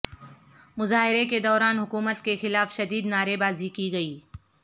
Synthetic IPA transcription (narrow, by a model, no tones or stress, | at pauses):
mʊzaːɦɪɾeked̪ɔːɾaːnɦʊkuːmət̪kexɪlaːfʃɐd̪iːd̪naːɾebaːzikiɡɐiː